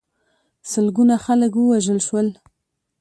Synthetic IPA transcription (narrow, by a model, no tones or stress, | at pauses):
səlɡunaxaləkwəwaʒəlʃwəl